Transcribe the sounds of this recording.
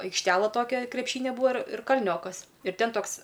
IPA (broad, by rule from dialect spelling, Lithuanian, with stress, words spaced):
ɐɪkʃʲˈtʲæːlˠɐ ˈtoːkʲɛ krʲɛpʲˈʃʲiːnʲɛ ˈbuːʋɐ ɪr ɪr kɐlʲˈnʲoːkɐs ɪr ˈtʲɛn ˈtoːks